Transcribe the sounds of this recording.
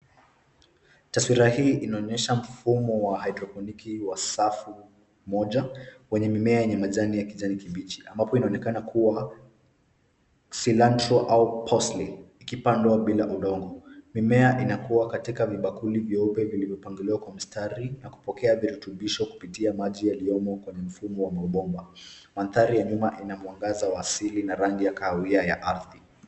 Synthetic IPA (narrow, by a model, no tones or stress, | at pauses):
taswiɾahiːʔinaɔɲɛʃam̩fumɔwaɦajdɾɔfɔnikiwasafu | mɔʄawɛɲɛmimɛajɛɲɛmaʄanijakiʄanikiɓit͡ʃi̥ʔa̰mbapɔinaɔnɛkanakʰuwa | silantɾɔʔaupʰɔsliikipandwaɓilaʔuɗɔŋɡɔmimɛaʔinakuwakatikaviɓakulivjɔupɛvilivjɔpaŋɡiliwakwam̩staɾinaku̥pɔkɛaviɾutuɓiʃɔku̥pitiamaʄijaliɔmɔkwɛɲɛm̩fumɔwamauɓɔmba | manθaɾijaɲumaʔinamwaŋɡazawaːsilinaɾaŋɡijakaawiaja̰ʔaɾði